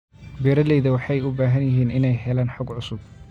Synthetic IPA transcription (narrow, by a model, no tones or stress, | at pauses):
bɛːɾɐlɛjðɐwɑħɑjʊbaːɦɐnjɪɦiːnɪnɛjɦɛlaːnħʊɡʕʊsʊb̚